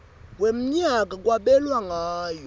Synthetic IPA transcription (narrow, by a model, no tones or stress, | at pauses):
wem̩ɲak̬ak̬waɓɛlwaŋaːjɔ